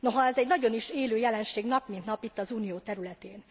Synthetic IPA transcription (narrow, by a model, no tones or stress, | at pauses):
no̞ɦɒɛzɛɟnɒɟo̞niʃeːløːjɛlɛnʃeːɡnɒpmint̪nɒpit̪ːɒzuːnijoːt̪ɛɾylɛt̪eːn